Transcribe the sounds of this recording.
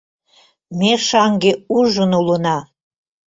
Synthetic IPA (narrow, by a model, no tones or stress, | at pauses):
mʲeʃɑŋɡeuʒə̆nulə̆nɑ